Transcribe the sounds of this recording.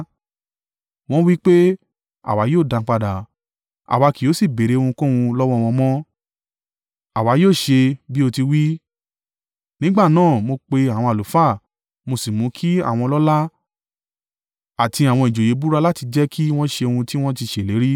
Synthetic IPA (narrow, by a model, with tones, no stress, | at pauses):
w̃ɔ̃˦wi˦k͡pe˦ | a̰˨wa˨˦joː˦˨dã˨˧k͡pa˧da˨ | a̰˨wa˨˧ki˨o˨˦si˦˨be˨ɾe˨˦o˧ũ˧kũ˦˧ũ˧lɔ˦wɔ̃˦˧w̃ɔ̃˧mɔ̃˦ | a˨wa˨˦joː˦˨ʃe˧bi˦o˧ti˧wi˦ | nĩ˦ɡ͡ba˦˨nãː˦˨mo˧k͡pe˧a˨w̃ɔ̃˧a˨lu˨˦fa˦˨ | mo˧si˨mũ˨˦kʰi˦a̰˦˨w̃ɔ̃˧lɔ˦la˦ | a˨ti˧a˨w̃ɔ̃˧i˨d͡ʒo˨je˨˦bu˦ɾa˧la˦ti˧d͡ʒɛ˦kʰi˦w̃ɔ̃˦ʃe˧o˧hũ˧ti˦w̃ɔ̃˦ti˧ʃe˨le˨˦ɾi˦